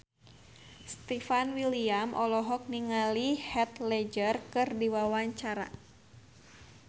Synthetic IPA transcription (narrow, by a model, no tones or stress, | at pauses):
st̪ɛfanwiliamʔɔlɔɦɔk̚niŋalihɛt̪lɛd͡ʒərkɨrdiwawaɲt͡ʃaɾa̰